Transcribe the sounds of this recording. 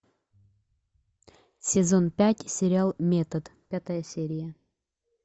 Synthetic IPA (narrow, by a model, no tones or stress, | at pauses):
sʲɪzonpʲætʲsʲɪɾʲɪalˠmʲet̪əd̪pʲat̪əjəsʲeɾʲɪjə